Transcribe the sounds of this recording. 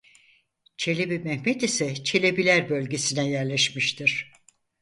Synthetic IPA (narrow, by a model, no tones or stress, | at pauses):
t͡ʃʰe̞lʲebimɛhmɛt̪isɛt͡ʃʰe̞lʲebilʲæɾbølʲɟe̞sinɛjæɾlʲɛʃmiʃt̪ʰiɾ̥